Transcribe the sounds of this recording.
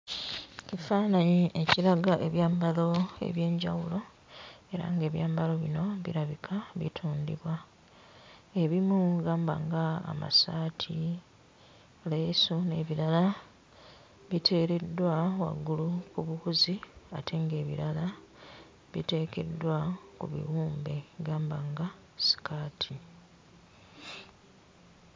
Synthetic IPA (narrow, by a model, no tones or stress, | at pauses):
cifaːnaɲiʔeciɾaɡaʔe̞βjaːmbalo̞e̞̰βje̞ːɲɟa̰wulo̞ | e̞ɾa̰ŋɡe̞ːβjaːmbalo̞βino̞βḭɾaβikʰaβḭtʰuːndḭβwa | eβimuɡaːmba̰ŋɡa̰ːma̰saːtʰi | lesone̞ːβiɾala | βitʰe̞ːɾe̞dːwawa̰ɡːulukuβuhuziatʰe̞ŋɡe̞ːβḭɾala | βḭte̞ːke̞̰dːwakṵβḭwuːmbe̞ɡaːmbaŋɡa | si̥kaːtʰi